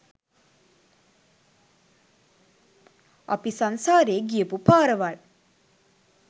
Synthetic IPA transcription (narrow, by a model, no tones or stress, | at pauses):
ɐ̰pisansaːɾeːɡiəpupaːɾəʋaɭ